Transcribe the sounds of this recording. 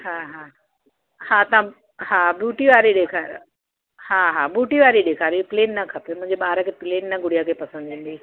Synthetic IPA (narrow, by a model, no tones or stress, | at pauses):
ɦaːɦaː | hãːt̪ɐʋ̤ã | hãːbjuːʈiʋaːɾiɗeːkʰaːɾ | hãːɦaːbjuːʈiʋaːɾiɗeːkʰaːɾipleːnːɐkʰɐpemʊ̃ɦɪ̃ɲd͡ʑeɓaːɾəkʰepleːnːɐɡʊɽijakʰepɐsənd̪ʋẽːn̆d̪iː